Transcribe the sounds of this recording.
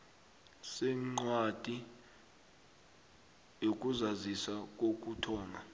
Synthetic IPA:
sɛŋ͡ǀwatʼi | jok̬ʼuzazisak̬ok̬ʼutʰɔːŋʱa

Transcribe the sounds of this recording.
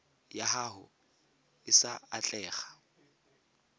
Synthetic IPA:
jaɦaɦʊ | ɪsaat͡ɬʼɛːχḁ

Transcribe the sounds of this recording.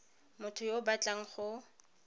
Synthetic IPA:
mʊtʰʊjobat͡ɬʼaŋ̩χʊ

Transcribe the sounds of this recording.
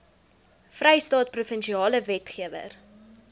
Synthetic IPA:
frɛjstɑːt̚prufənʃiɑːləvɛtχiəvə̰r

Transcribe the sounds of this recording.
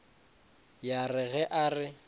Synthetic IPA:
jarɪɣɛʔarɪ

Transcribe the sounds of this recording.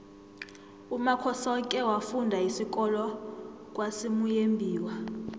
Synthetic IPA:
umakʰɔsɔkʼɛwafundʱaisik̬ʼɔlɔ | kʼwasimujembʱiːwa

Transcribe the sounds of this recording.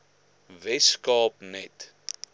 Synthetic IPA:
vɛskɑːp̚nɛt

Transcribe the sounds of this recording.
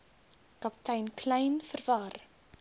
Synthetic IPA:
kɐptɛjnkʰlɛjnfərvɐr

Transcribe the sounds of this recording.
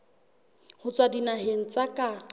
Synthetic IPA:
hʊt͡sʼwadinaɦen̩t͡sʼakʼa

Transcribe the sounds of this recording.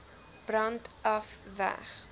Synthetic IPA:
b̥rɐntʔɐfvæ̰χ

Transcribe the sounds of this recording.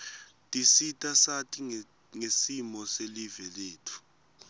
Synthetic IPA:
tʼisitʼasatʼi | ŋesimɔselivɛleːtʰu̥

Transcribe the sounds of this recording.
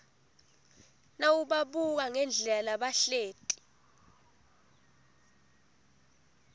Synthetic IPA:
nawuɓaɓuk̬aŋɛnd͡ɮʱɛlaɓaɬeːtʼi̥

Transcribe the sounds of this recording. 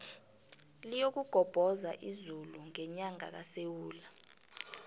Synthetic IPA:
lijok̬uɡ̥ʱɔb̥ʱɔzaʔizuluŋɛɲaŋa̰k̬asewuːla

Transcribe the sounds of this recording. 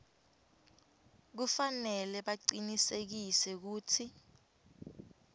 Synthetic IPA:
k̬ufanɛlɛɓaǀinisek̬isɛk̬uːtʰi

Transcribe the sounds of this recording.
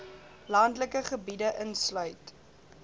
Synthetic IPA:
lɐndləkəχəbidəʔənslœɥt

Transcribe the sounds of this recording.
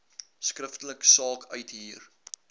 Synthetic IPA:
skrəftələksɑːkʰœɥtɦiər

